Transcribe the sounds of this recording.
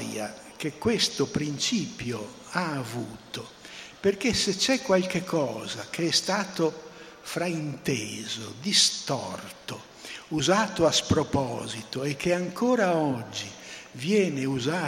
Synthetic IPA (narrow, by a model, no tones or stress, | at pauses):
ɾja̰ | kekːwest̪opɾint͡ʃiːpjo | aːvuːt̪operkeset͡ʃɛkːwalkekʰːɔːzak̟eɛst̪aːt̪o | fɾaint̪eːzo̰d̪ist̪ɔ̰rt̪o | uzaːt̪oaspɾopɔ̰ːzit̪oɛkʰːeaŋkʰɔːɾaɔd͡ʒːivjɛːneuzaː